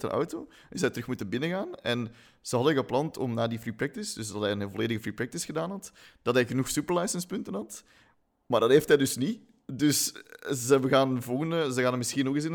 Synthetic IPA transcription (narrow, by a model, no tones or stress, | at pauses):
tə̰nʔɔ̰wtoː | əsɛjtəɾɵxmutənbɪnəɣaːnɛn | z̥əɦɑdənɣəplɑntʰɔ̰mnaːdifriprɛk̚tɪsdʏsdɑtɦɛjənəvoleːdəɣəfriːprɛk̚tɪsxədaːnɦɑtd̥ɑtɦɛɣənuxsʉpəɹlɛjsənspʏntənɦɑt | maːrdɑtɦeːftɦɛjdɵsni | dɵszəɛbəɣaːnvɔlˠɣəndəzəɣaːnəmɪsxinoɣis̬ɪn